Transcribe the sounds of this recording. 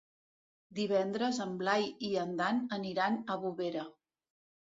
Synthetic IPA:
d̪iβ̞ɛnd̪ɾəzəmblajiənd̪anəniɾanəβuβeɾə

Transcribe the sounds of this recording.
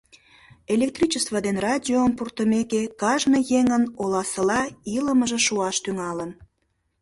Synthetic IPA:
elʲek̚t̪rit͡ɕəst̪vod̪enrɑdʲiompurt̪əmekekɑʒnəjeŋənolɑsəlɑiləməʒeʃuɑʃt̪yŋɑlən

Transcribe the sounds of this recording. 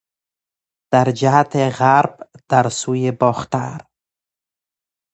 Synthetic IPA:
d̪̥aɾd͡ʒaɦat̪eɣaɾbd̪̥aɾsujebɔxt̪a̰ɾ

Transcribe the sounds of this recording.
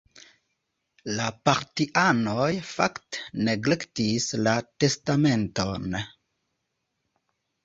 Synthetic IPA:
lapaɾtiʔanojfa̰kte̥neɡlektislate̞stame̞nton

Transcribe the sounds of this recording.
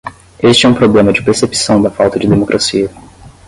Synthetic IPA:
est͡ʃɪɛũpɾoblẽmɐd͡ʒɪpeɾsepi̥sɐ̃w̃d̪ɐfawt̪ɐd͡ʒɪd̪emokɾʔa̰siɐ

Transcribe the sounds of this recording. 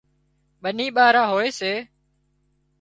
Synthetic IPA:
ɓəniːɓaːɾaːɦoːeːseː

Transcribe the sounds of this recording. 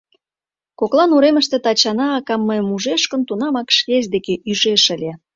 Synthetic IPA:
koklˠɑnuɾeməʃt̪et̪ɑt͡ɕɑnɑːkɑmːəjmuʒeʃkə̆nt̪unɑmɑkʃkezʲd̪ekeʔyʒeʃə̆lʲe

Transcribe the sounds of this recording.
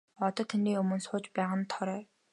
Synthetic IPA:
ɔt̪ɔːt̪ʰenːiːɵmɵ̆nsʊːt͡ɕpæːʁə̆nt̪ʰɔɾœː

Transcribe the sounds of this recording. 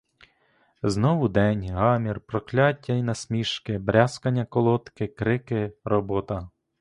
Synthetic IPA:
znɔʋʊd̪ɛnʲɦɑmʲirpɾɔklʲɑtʲːɐinɐsʲmʲiʃkɪbɾʲaskɐnʲːɐkɔlˠɔt̪kɪkɾɪkɪɾɔbɔt̪ɐ

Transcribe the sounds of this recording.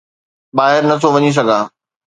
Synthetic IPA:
ɓaːɦɪɾnɐt̪ʰoʋɐɲis̬ɐɡʱaː

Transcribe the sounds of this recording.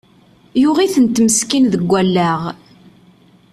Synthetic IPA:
jʊʁiθənt̪məskinðəɡʷːælːæʁ

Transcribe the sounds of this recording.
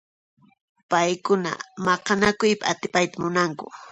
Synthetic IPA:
pajkʊna̰mɑqɑnakʊjpaat̪ɪpajt̪amʊnaŋkʊ̰

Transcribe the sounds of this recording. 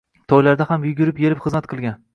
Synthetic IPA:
t̪ʰɒjlaɾd̪ahamjʊɡʲʊɾɪpje̞ɾɪpχɨzmat̪̚qʰɨlˠɡʲan

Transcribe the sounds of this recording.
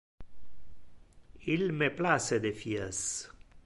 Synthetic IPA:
ilmeplased̪efiəs

